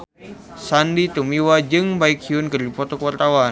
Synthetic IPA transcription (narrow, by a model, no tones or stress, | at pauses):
sandit̪umiwad͡ʒɨŋbaikhiʊnkɨrdipɔt̪ɔkuwart̪awa